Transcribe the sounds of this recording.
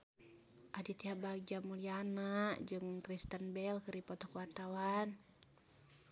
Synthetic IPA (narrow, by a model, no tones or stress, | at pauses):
ʔadit̪iɦabaɡiamulianaʔd͡ʒɨŋkɾist̪ənbɛlkəɾipɔt̪ɔkuwart̪awan